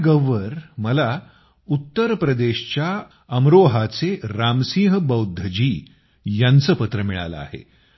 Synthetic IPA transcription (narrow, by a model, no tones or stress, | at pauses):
ɡəʋəɾməla | ut̪ːəɾpɾəd̪eɕt͡ɕja | əmɾoɦat͡seɾamsĩɦəbəwd̪ʱːəd͡ʑiː | jant͡səːpət̪ɾəmiɭa̰lə̰a̰ɦḛ